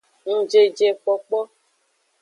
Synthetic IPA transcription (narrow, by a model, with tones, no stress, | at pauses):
ŋũ˦d͡ʒe˦d͡ʒe˨k͡pɔ˦k͡pɔ˦